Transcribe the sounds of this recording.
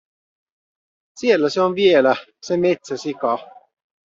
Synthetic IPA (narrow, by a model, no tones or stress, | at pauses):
sielːæseonʋielæsemet̪sæsikɑ